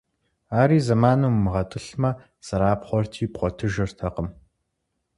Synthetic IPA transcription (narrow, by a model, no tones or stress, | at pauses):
aːɾiːzɐmaːnuːmːɨʁɐt̪ʼɨɬmɐ | sɐɾaːpχʷɔrtʰiːpχʷɔtʰɨʒɪrtʰɐqəm